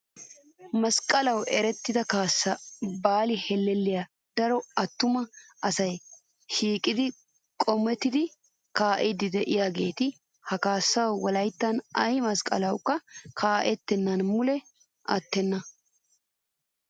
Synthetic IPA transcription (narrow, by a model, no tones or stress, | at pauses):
mɐskʼɐlɐwɛɾɛt̪ːɪd̪ɐkaːsːɐbaːlɪhɛlːɛlːɪja | d̪̥ɐɾɔɐt̪ːʊmɐɐsɐj | ʃiːkʼɪd̪ɪ | kʼɔmːɛt̪ːɪd̪ɪ | kaːʔɪd̪ɪd̪ɛʔɪjaːɡe̞ːt̪ɪ | hɐkaːsːɐwːɐlɐjt̪ːɐnɐjmɐskʼɐ̰lɐwkːɐkʰaːʔɛt̪ːɛnːɐnmʊlɛ | ɐ̰t̪ːɛnːɐ